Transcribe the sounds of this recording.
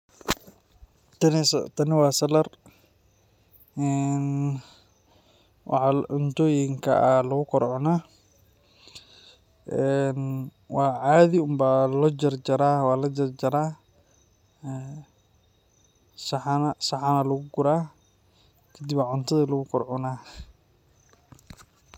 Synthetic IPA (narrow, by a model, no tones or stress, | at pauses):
t̪ɐnst̪ʰɐnɪwɑːsɐlɐr | ʔɛn | wʔɑ̰ħɑʕʊnt̪ʰɔːjɪŋkʰɐ̰ʔɐlɐɣʊkʰɔrʕɔnaː | ʔɛn | wɑːʕaːðiɪʊmbaːlɔd͡ʒɐrd͡ʒɐɾaːwɑːlɐd͡ʒɐrd͡ʒɐɾaː | sɑħnɐsɑħɑnɐlɐɣʊɡʊɾaː | kʰɛd̪ibaʕʊnt̪ʰɐðiːlɐɣʊkʰɔrʕʊnaː